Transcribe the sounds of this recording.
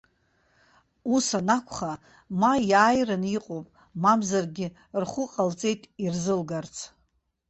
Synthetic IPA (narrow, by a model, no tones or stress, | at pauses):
usanakʷʰχa | majaːjrɨniqʼopʼ | mamzarɡʲɪ | rχʷʊqʼalt͡sʼe̞jtʼirzɨlɡart͡sʰ